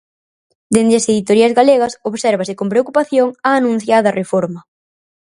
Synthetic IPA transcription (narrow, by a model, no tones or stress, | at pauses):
d̪end̪ɾɪɐseðit̪oɾiɐzɣaleɣɐsoβsɛɾβɐsɪkompɾeokupaθjoŋaːnũn̟θjaðɐrʔefoɾmɐ